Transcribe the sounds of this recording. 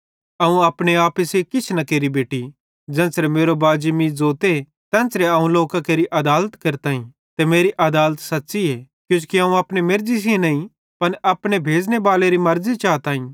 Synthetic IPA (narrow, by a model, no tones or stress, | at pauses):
ɐũɐːpɽ̃eaːpəsekɪt͡ʃʰnɐkeːɾibeːʈi | d͡ʒɛ̃ːnsɾemeːɾobaːd͡ʒmĩd͡zoːt̪e | t̪ɛ̃ːnsɾeɐũloːkakeːɾiʔɐd̪aːlət̪kɐɾt̪aːɦĩ | t̪emeːɾiʔɐd̪aːlət̪sɐtːʃie | kjũːt͡ʃukiɐũɐpɽemɪɾzis̬iẽnɐĩ | pɐnɐpɽ̃ebʱeːd͡ʒnebaːleɾimɐɾzit͡ʃaːt̪aːĩ